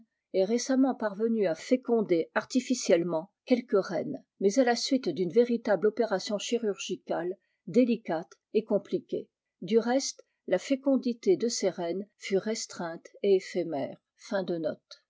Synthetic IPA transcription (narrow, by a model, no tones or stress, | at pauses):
ɛʁesamɑ̃paʁvənyafekɔ̃d̪eaʁt̪ifisjɛlmɑ̃kʲɛlkəʁɛ̰n | mɛzalasɥit̪d̪ynveʁit̪ablɔpeʁasjɔ̃ʃiʁyʁʒikal | d̪elikat̪ | ekɔ̃plikʲḛ | d̪yʁɛst̪ | lafekɔ̃d̪it̪ed̪əseʁɛnfyʁɛst̪χɛ̃t̪eefemɛːʁ | fɛ̃d̪ənɔt̪